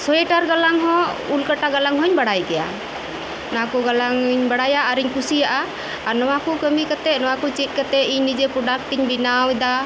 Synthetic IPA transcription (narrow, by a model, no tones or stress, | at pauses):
sɔɛʈaɾɡalaŋɦɔ̃ulkaʈaɡalaŋɦɔɲbaɽajɡɛja̰ | nɔwakuɡalaŋɲbaɽajaʔaɾiɲkusijaʔaː | nɔwakukəmikat̪ɛnɔwakut͡ʃit̪̚ˀkat̪ɛiɲnid͡ʒepɾɔɖak̚ʈiɲbinawɛd̪a